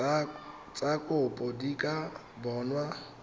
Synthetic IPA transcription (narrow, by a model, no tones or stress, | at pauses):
t͡sʼakʼʊpʼɔdikʼa | bɔːnwa